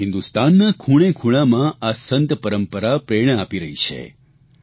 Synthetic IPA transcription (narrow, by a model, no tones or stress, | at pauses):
ɦɪ̃nd̪ust̪anːakʰuɽ̃ẽkʰuɭ̃amãasənt̪pəɾəmpəɾapɾeɾɳ̃əapiɾəɦit͡ʃʰḛ